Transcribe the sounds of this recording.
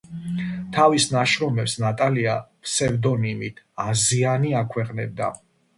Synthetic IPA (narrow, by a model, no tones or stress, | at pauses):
t̪ʰavisnaʃɾɔmɛpsnat̪ʼaliapʰsɛvd̪ɔnimit̪ʰ | azianiakʰwɛqʼnɛb̚d̪a̰